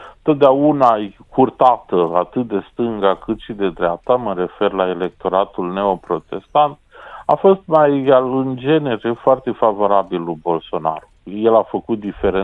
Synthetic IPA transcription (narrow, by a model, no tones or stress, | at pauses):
t̪ot̪̚d̪eaunajkʰurt̪at̪əat̪ɨt̪̚d̪e̞st̪ɨŋɡakɨt̪ʃid̪e̞d̪ɾeap̚t̪aməɾe̞fe̞rlaele̞k̚t̪o̞ɾat̪ulneo̞pɾo̞t̪e̞st̪ant̪a̰fo̞st̪majalɨnd͡ʒe̞ne̞ɾefoart̪e̞favo̞ɾabilubo̞lso̞na̰ɾuje̞lafəkut̪̚d̪ife̞ɾe